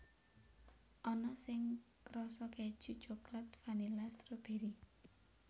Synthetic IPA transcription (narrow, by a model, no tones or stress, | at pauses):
ʔɔnɔsɪŋ | kɾɔsɔked̥ʒ̥ṳ̥t͡ʃo̤klat̪fanilast̪ɾob̥e̤ɾi